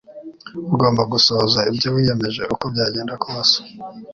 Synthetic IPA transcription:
uɡo̞ːmbaɡusozaibɟowiːje̞me̞ʒe̞uko̞bɟaːɟe̞ːndakuβaso̥

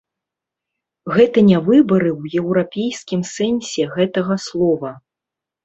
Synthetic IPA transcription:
ɣɛt̪ɐnʲavɨbɐɾɨwjɛwɾapʲejskʲimsɛnʲsʲɛɣɛt̪ɐɣɐslˠɔvɐ

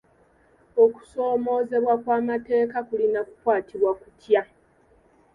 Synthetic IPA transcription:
oku̥so̞ːmo̞ːze̞βwakwaːmate̞ːkakulinakukwaːtiβwakutʰja

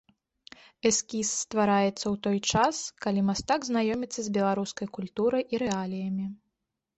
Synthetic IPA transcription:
ɛskʲisːt̪vaɾajɛt̪sːɐwt̪ɔjt͡ʂaskalʲimast̪aɡznajɔmʲit̪sːɐzʲbʲɛlˠaɾuskɐjkulʲt̪uɾɐjʔiɾɛalʲijɐmʲi

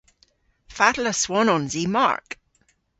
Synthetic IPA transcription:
fatləswɔnɔnzima̰ɹk

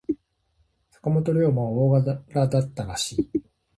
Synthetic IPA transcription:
sḁkamo̞t̪o̞ɾʲo̞ːmaβaoːɡaɾad̪at̪ːaɾaɕiː

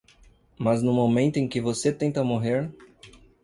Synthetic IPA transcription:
mɐznʊ̃momẽnt̪ʊẽj̃kɪvoset̪ẽnt̪ɐmoɦeɾ

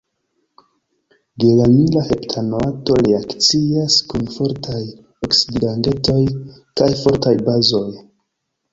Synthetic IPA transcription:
ɡelanilahe̞ptʰanoato̞ɾiakt͡siaskunfo̞ɾtʰaj | oksiddande̞to̞jkajfo̞ɾtajbazo̞j

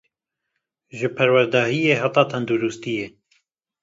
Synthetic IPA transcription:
ʒɨpʰæɾwæɾd̪ɑːhijeːɦɑt̪ɑːt̪ʰɛnd̪uɾust̪ijeː

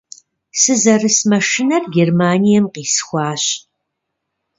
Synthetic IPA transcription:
sɨzɐrɨsmɐʂɪnɐrɡʲermaːnijɛmqiːsxʷɑːɕ

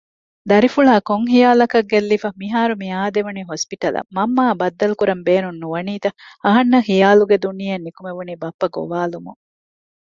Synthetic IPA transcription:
d̪ɐɾifuɭaːkoŋɦijaːlɐkɐɡːelːifɐmiɦaːɾumiaːd̪eʋuniːɦospiʈɐlɐ̰mɐmːaːbɐd̪ːɐlukuɾɐmbeːnunːuʋɐniːt̪ɐɐɦɐnːɐhijaːluɡed̪unijɐnːikumeʋuniːbɐpːɐɡo̰ʋaːlumṵŋ

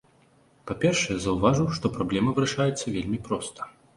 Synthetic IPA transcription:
papʲɛrʂɛjɛzɐwvaʐuwʂt̪ɔpɾablʲɛmɐvɨɾɐʂajɛt̪sːɐvʲelʲmʲipɾɔst̪ɐ̥

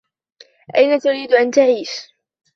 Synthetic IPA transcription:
ʔajnat̪ʊɾiːd̪ʔant̪aʕiːʃ

